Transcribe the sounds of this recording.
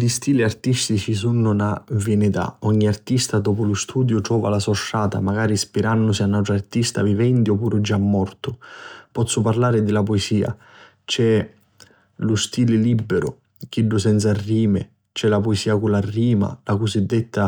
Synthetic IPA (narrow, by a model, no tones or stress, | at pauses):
dist̪iːliart̪ist̪it͡ʃisunːʊnavenit̪a̰ɔɲːiart̪ist̪ad̪ɔːpʊlʊst̪uːd̪jʊt̪ɾɔːva̰lasɔʃːaːt̪a̰maɡaːɾispiɾanːʊsianːawt̪ɾart̪ist̪a̰vivɛnt̪iɔpːuːɾʊd͡ʒamːɔrt̪ʊpɔt̪sːʊparlaːɾɪd̪ɪlapɔesiːa̰ | t͡ʃɛ | lʊst̪iːlɪlibːɪɾʊ̰ | k̟iɖːʊsɛnt̪sarːiːmɪ̰ | t͡ʃɛlapɔesiːakularːiːma̰lakʊsid̪ːɪt̪ːa